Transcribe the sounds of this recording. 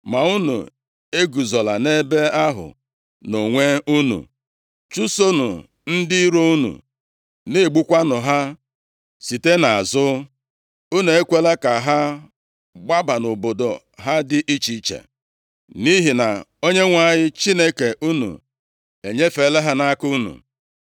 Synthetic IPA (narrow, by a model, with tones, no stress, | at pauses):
ma˨u˦nṵ˨ | e˦ɡu˨zɔ˨la˨ne˦be˦a˦ɦʊ̰˨ | no˨ŋʷe˦u˦nṵ˨ | t͡ʃu˦so˦nṵ˨ | n̩˦dɪ˦i˦ɾo˦u˦nṵ˨ | ne˦˨ɡ͡bu˦kʷa˦nʊ˨ɦa˦ | si˨te˦na˨a˨zʊ˦ | u˦nu˨e˦kʷe˦le˦ka˨ɦa˦ | ɡ͡ba˦ba˨no˨bo˨do˨ | ɦa˦dɪ˦ʔi˦t͡ʃi˦t͡ʃḛ˨ | ni˦ɦi˨na˨o˦ɲe˦ŋʷa˦˨ɲɪ˦t͡ʃi˦ne˦ke˨ʔu˦nṵ˨ | e˨ɲe˦fe˨˦le˦ɦa˦na˦ku˦nṵ˨